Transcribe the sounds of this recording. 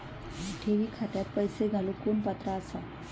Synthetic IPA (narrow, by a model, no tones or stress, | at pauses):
ʈʰeʋikʰaʈjat̪̚pəjseɡʱalukunpət̪ɾat͡sʰʌ